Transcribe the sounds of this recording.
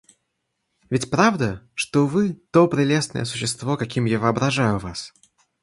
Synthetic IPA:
vʲɪtʲpɾavd̪əʂt̪ovɨt̪opɾʲɪlʲe̞snə̰jəsʊ̥ɕːɪst̪vo̞kɐkʲimjavəːɐbɾɐʐajʊvas

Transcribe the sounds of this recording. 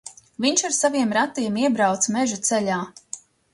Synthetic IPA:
viɲʃaɾsaviɛmɾat̪ːiɛmiɛbɾawt̪smɛʒut̪sɛʎʲaː

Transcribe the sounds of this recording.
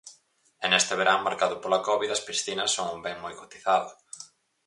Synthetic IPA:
ɛnest̪ɪβeɾaŋmaɾkaðʊpolɐkɔβiðɐspɾisθinɐsːoŋumbɛŋmojkot̪i̥θaðʊ

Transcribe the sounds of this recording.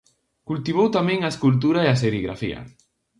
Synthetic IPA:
kult̪iβowt̪amɛ̃ŋaeskult̪̬uɾaeas̬eɾiɣɾa̰fḭɐ̰

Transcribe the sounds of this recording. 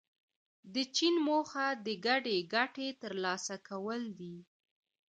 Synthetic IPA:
d̪ət͡ʃinmoxad̪əɡaɖeɡaʈet̪əɾlɑsakawəld̪i

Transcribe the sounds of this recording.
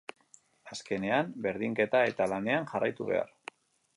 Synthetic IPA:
aske̞ne̞ambe̞ɾðiŋke̞t̪ae̞t̪alane̞anʝarajt̪uβe̞̰a̰ɾ

